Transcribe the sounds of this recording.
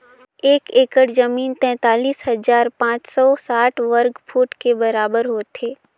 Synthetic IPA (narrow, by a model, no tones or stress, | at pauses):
eːkeːkəɽzəmiːnt̪ɛ̃ːt̪aːliːsɦɐzaːɾpãːt͡ʃsɔsaːʈʰʋəɾɡfʰuːʈkebɐɾaːbəɾɦoːt̪eː